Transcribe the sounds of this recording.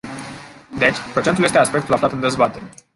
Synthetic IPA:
d̪et͡ʃpɾo̞t͡ʃent̪ule̞st̪easpekt̪ulaflat̪ɨnd̪e̞zbat̪eɾe

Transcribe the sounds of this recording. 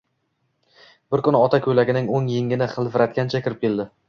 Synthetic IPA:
b̥ɪɾkʊnɒt̪ʰakʲʰɵjlaɡʲɪnɪŋoŋjɪŋɪnɪχɨlˠvɪɾat̪̚kʲant͡ʃʰakʲɪɾɪp̚kʲe̞ld̪ɪ

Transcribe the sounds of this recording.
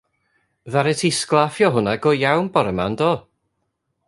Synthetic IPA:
ðaɾɛtʰisklˠafjɔɦʊnaɡɔjawnbɔɾəma̰ndɔ

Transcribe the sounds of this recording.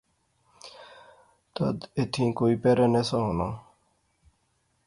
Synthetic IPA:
t̪əd̪ɪt̪ʰĩːkoːiːpeːɾeːneːsãɦoːna̰ː

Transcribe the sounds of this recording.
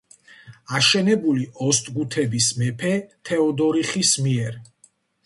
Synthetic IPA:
aʃɛnɛbuliʔɔst̪ʼɡut̪ʰɛbismɛpʰɛt̪ʰɛɔd̪ɔɾiχismiɛɾ

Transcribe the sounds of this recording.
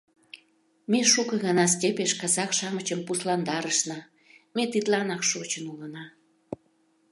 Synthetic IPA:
meʃukəɣɑnɑs̬tʲepeʃkɑzɑkʃɑmət͡ɕəmpuslɑnd̪ɑɾəʃnɑ | met̪it̪lɑnɑkʃot͡ɕənulənɑ

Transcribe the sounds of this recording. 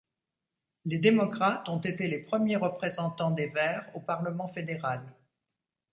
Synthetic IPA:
led̪emɔkχat̪ɔ̃t̪et̪elepχəmjeʁəpχezɑ̃t̪ɑ̃d̪evɛʁopaʁləmɑ̃fed̪eʁal

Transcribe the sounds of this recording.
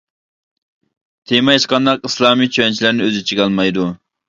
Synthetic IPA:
t̪ʰemɑjʃqɑnd̪ɑqislˠɑːmit͡ʃʰøɛnt͡ʃʰilæɾnɪøzɪt͡ʃʰiɡʲɑlˠmɑjd̪u

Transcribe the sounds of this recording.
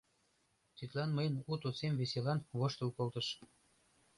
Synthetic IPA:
t̪yt̪lɑnməjənut̪ot͡semveselɑnβoʃt̪əlkolˠt̪əʃ

